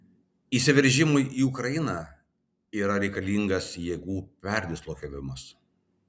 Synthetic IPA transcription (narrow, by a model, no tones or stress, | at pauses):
iːˑsʲɪʋʲɛɾʲˑʒʲɪmʊɪʔiːʊkɾɐjɪnɐ | iːɾɐɾʲɛɪkɐlʲiŋɡɐsjeːɡuːpʲɛɾʲd̪ʲɪslˠoːkʲɛʋʲɪmɐs